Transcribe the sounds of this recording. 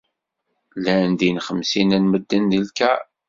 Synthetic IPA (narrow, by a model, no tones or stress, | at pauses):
lænd̪inχəmsinænməd̪ːənðilkæ